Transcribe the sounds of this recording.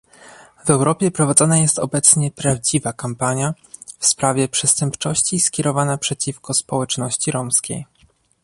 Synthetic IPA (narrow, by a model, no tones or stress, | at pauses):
vɛwɾɔpʲjɛpɾɔvad̪zɔnajɛst̪ɔbɛt̪sɲɛpɾavd͡ʑivakampaɲja | fspɾavʲjɛpʂɛst̪ɛmpt͡ʂɔɕt͡ɕiskʲɛɾɔvanapʂɛt͡ɕifkɔspɔwɛt͡ʂnɔɕt͡ɕiɾɔmskʲḛj